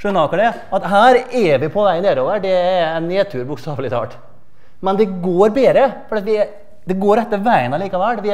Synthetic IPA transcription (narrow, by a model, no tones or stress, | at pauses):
ʂʉnɑːkɑɖ̪ɛ | ɑt̪ɦæːɾɛʋɪpʰɔʋæɪneːɾoːʋəɖɛɛɛnːeːt̪ʰʉːɾbʊkst̪ɑːʋlɪt̪ʰɑ̰ːʈ | mɛnd̪ɛɡoːɾbeːd̪ɾəfɔɾɖ̪eːt̪ʋɪɛ | d̪ɛɡoːɾɛt̪ːəɾʋæɪənɑliːkɑʋɛlːʋɪ